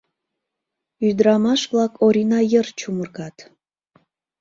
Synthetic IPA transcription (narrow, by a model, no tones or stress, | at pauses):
yd̪ɾɑmɑʃβlɑkʰoɾʲinɑjərt͡ɕumərɣɑt̪